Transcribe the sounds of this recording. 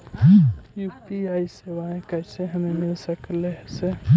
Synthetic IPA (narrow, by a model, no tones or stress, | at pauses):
juːpiaiseʋaẽkɛɪseɦəmemɪlsəklese